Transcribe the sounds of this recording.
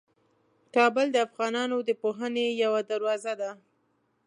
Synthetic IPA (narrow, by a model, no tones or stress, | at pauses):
kɑbəld̪əafɣɑnɑnod̪əpoɦənejawad̪aɾwɑzad̪a